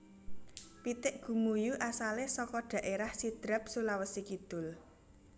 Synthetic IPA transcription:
pit̪ɪʔɡ̥ṳmujuʔasalesɔkɔɖ̥ä̤ʔeɾahsid̪̥ɾəp̚sulawəsikid̪̥ʊ̤l

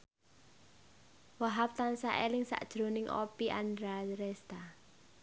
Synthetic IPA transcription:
waɦap̚t̪ansaʔelɪŋsa̰ʔd̥ʒ̥ɾo̤nɪŋʔɔ̰piʔa̰nd̪ɾaɾɛst̪a

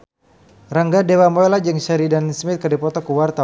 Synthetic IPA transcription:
raŋɡadewamɔelad͡ʒəŋʃaɾidansmɪt̪̚kədɛpɔt̪ɔkuwart̪a

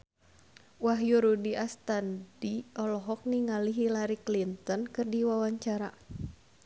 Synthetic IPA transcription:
waɦjuɾudiast̪andiɔlɔɦɔk̚niŋaliɦilaɾiklint̪ɔnkɨrdiwawaɲt͡ʃaɾa

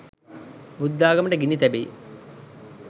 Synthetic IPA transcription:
bud̪ːaːɡɐmɳɖeɡinit̪ɐbḛ

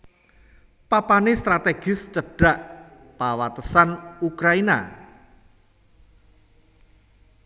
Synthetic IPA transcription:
papanɪst̪ɾat̪eɡ̥ɪst͡ʃəɖ̥a̤ʔ | pawat̪əsanukɾaina̰

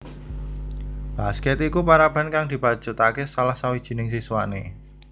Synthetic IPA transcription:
b̥askɛt̪ikupaɾab̥a̤nkaŋd̪̥i̤pḁd͡ʒut̪akesalahsawid̥ʒ̥i̤nɪŋsiswane

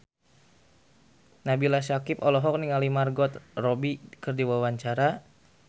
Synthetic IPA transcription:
nabilasakipɔlɔɦɔk̚niŋalimarɡɔt̪rɔbikɨrdiwawaɲt͡ʃaɾa

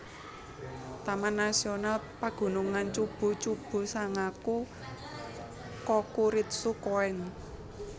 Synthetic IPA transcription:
t̪amanasionalpaɡ̥ṳnuŋant͡ʃub̥o̤t͡ʃub̥o̤saŋaku | kɔkuɾit̪̚sukoɛn

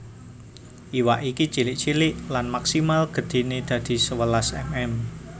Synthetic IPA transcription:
ʔiwaʔikit͡ʃilɪʔt͡ʃilɪʔlanmaksimalɡ̥ə̤d̪̥e̤ned̪̥ä̤d̪̥i̤səwəlasɛ̰mɛm

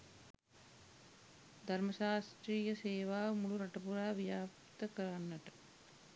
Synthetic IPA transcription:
d̪ʱaɾməʃaːst̪ɾiːjəseːʋaːmuluɾaʈəpuɾaːʋijaːp | t̪əkəɾanːaʈə

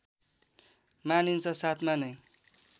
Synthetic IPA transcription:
manint͡sʰʌsat̪ʰmanʌj

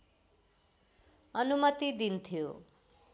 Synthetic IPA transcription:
ʌnumʌt̪id̪int̪ʰijo̰

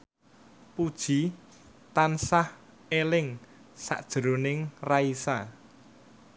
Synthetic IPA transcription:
pud̥ʒ̥i̤ | t̪ansah | elɪŋ | sa̰ʔd̥ʒ̥əɾonɪŋraisa

